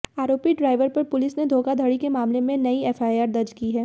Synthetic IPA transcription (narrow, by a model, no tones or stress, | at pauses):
aːɾoːpiɖɾaːɪʋəɾpɐɾpʊlɪsned̪ʱoːkad̪ʱəɽikemaːmlemẽnɐiɛːfaːɪaːɾd̪ɐɾd͡ʒkiɦɛː